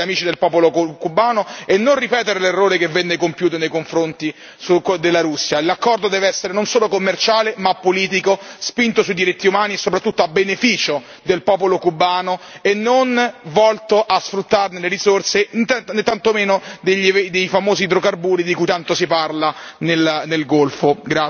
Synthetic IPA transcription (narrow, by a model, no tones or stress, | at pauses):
amiːt͡ʃid̪elpɔːpolokubːaːnoenːonripɛːt̪eɾelerːoːɾekevːɛnːekompjuːt̪onejkoɱfɾont̪i | sukd̪elːaɾusːjalakːɔrd̪od̪ɛːveɛsːeɾenonsoːlokomːert͡ʃaːlemapːoliːt̪̬ikospint̪osuid̪iɾit̪ːiumaːniesːopɾat̪ːut̪ːoabːenefiːt͡ʃo | d̪elpɔːpolokubːaːnoenːonvɔlt̪oʔasfɾut̪ːarneleɾisorset̪net̪ːant̪omeːnod̪eʎːd̪ejfamoːzid̪ɾokarbuːɾid̪ikujt̪ant̪osiparlanelnelɡolfoɡɾa